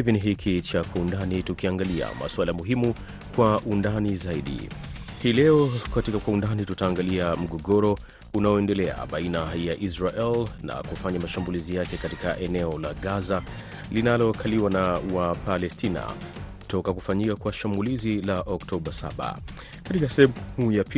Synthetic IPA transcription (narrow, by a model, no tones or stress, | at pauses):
hiviniɦikʰit͡ʃakwaundanitukiaŋɡalia̰ma̰swalamuɦimu | kwaʔundanizaiɗḭ | hiːlɛɔkatikakwaundanitutaːŋɡaliam̩ɠɔɡɔɾɔ | unaɔɛndɛlɛa̰ɓainajaʔizɾaʔɛlna̰kufaɲamaʃambulizijakɛkatikaʔɛnɛɔlaɠaza | linalɔkʰaliwanawapalɛstʰina̰ | tɔkakufaɲikakwaʃambulizilaʔɔktʰɔɓasa̰ɓa̰ | katikasɛɛhujap